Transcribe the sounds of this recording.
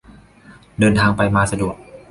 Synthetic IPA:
dɤː˧nt̪ʰaː˧ŋpa˧jmaː˧sa˧du˨˩ək̚

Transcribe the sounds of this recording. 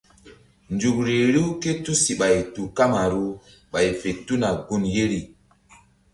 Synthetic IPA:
nd͡ʒu˨k̚ɾe˨ɾi˦ke˦tu˦si˨ɓa˨jtu˨ka˦ma˨ɾu˦ | ɓa˨jfe˨tu˦na˨ɡu˦nje˦ɾi˨

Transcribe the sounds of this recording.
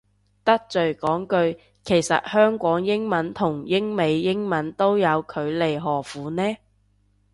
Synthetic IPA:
t̪ɐ˥k̚t͡sɵ˨˩ɥkɔː˨˥ŋkɵ˧ɥ | kʰe˨˩jsɐ̰˨t̚hœː˥ŋkʷɔː˨˥ŋjɪ˥ŋmɐ˨˥nt̪ʰʊ˨˩ŋjɪ˥ŋme˨˧jːɪ˥ŋmɐ˨˥nt̪o˥wjɐ˨˧wkʰɵ˨˧ɥle˨jɦɔː˨˩fuː˨˧nɛː˥

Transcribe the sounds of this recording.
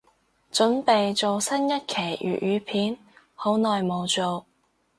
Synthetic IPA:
t͡ʃɵ˨˥npe˨jt͡so˨wsɐ˥njɐ˥t̚kʰe˨˩jʔy̰ː˨ʔ̚ʔyː˨˧pʰiː˨˥n | ho˨˥wnɔː˨jmo˨˧wt͡so˨˧w

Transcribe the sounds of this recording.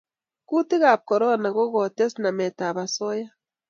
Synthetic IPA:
ku˦ti˦ɣa˨p̚ko˨ɾo˦na˨ɣo˦ɣo˨te˦sna˨me˨ta˨βa˨so˦ja˦

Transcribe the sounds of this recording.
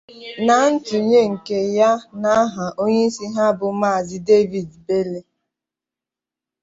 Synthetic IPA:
na˨˦n̩˦tu˨ɲe˦ŋ̩˨ke˨ja˦na˦ɦa˨ʔo˦ɲe˦i˦si˦ɦa˦bʊ˨ma˦˨zɪ˦de˦vi˨dbe˦le˦

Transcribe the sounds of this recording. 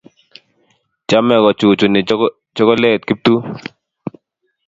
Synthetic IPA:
t͡ʃa˦mɛ˨ɣɔ˨t͡ʃu˨t͡ʃu˨nɪ˨ | t͡ʃɔ˦ɣɔ˦lɛ˦˨t̪̚ki˦p̚t̪u˦

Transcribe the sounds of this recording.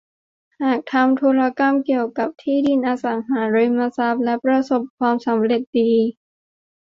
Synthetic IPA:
haː˨˩k̚t̪ʰa˧mt̪ʰuː˧ɾa˧ka˧mki˨˩əwka˨˩p̚t̪ʰiː˥˩di˧˩nʔaː˧sa˩˦ŋɦaː˩˦ɾɯ˧ma˧sa˦˥p̚lɛ˦˥pɾa˧so˨˩p̚kʰwaː˧msa˩˦mɾe˨˩t̪̚diː˧

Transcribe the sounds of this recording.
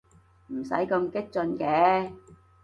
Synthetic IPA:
m̩˨˩sɐ̰˨˥jkɐ˧mkɪ˥k̚t͡sɵ˧nkɛː˨˧

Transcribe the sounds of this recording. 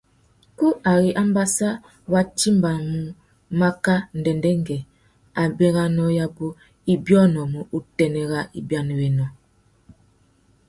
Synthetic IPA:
ku˦a˨ɣi˨ʔa˦m˦ba˦sa˦ | wa˦ti˦mba˨mu˨ | ma˦ka˦n̩˨dɛ˨ndɛ˦ŋ˦ɡɛ˨ | a˨bɛ˦ɣa˦nɔ˦ja˦bo˦ | i˦bjɔ˦nɔ˨mu˨u˨tɛ˨nɛ˨ɣa˦i˨bja˦ni˨wɛ˨nɔ˨

